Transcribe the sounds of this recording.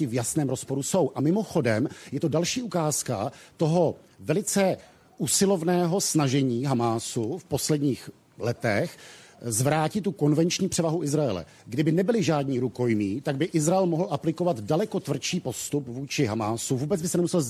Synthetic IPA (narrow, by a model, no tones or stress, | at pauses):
ɪvjasnɛːmɾo̞spo̞ɾuso̞wʔamɪmo̞xo̞dɛmjɛt̪o̞dalʃiːʔukaːska̰t̪o̞ɦo̞vɛlɪt͡sɛ | ʔusɪlo̞vnɛːɦo̞snaʒɛɲiːɦamaːsufpo̞slɛdɲiːx | lɛt̪ɛxzvɾaːcɪt̪ːuko̞nvɛnt͡ʃɲiːpr̝̥ɛvaɦuʔɪzɾajɛlɛ̰ | ɡdɪbɪnɛbɪlɪʒaːdɲiːɾuko̞jmiːt̪aɡ̚bɪʔɪzɾaɛlmoɦl̩ʔaplɪko̞vat̪dalɛko̞t̪vr̩t͡ʃiːpo̞st̪upvuːt͡ʃɪɦamaːsuvuːbɛt͡sbɪsɛnɛmusɛl